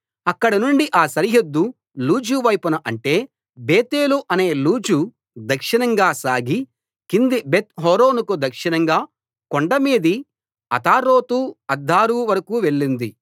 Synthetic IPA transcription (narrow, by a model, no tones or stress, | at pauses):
ɐkːɐɽɐnuɳɖiʔaːsɐɾiɦɐd̪ːu | luːd͡ʒuʋɐjpunɐʔɐɳʈe̞ː | beːt̪eːluʔɐne̞ːluːd͡ʒu | d̪ɐkʂinɐŋɡaːsaːɡi | kind̪ibet̪ɦɔːɾo̞ːnukud̪ɐkʂinɐŋɡaː | koɳɖɐmiːd̪i | ɐ̰t̪aːɾoːt̪uɐd̪ʱːaːɾuːʋɐɾɐkuːʋe̞ɭːind̪i